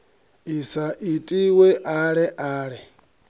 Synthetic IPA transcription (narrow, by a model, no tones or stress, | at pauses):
isaʔitʼiwɛʔaɺɛʔaːɺɛ